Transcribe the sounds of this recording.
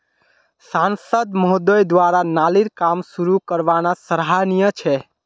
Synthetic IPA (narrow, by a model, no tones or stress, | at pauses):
sansəd̪mɔɦd̪ɔjd̪ʋaɾanaliɾkamsuɾukəɾʋanasəɾɦanijət͡ʃʰɛ